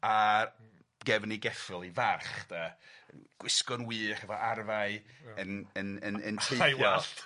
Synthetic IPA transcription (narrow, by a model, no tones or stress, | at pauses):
a | ɡɛvniɡɛfɪlˠivarχd̥aənɡ̥wɪskɔnwɨːhɛvɔʔarvaɨənənənə̰ntʰejɔ